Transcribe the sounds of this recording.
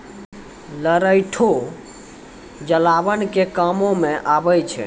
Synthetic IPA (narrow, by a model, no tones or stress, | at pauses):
ləɾəjʈʰo | d͡ʒəlabənkekəmomeʔabəjt͡ʃʰɛ̰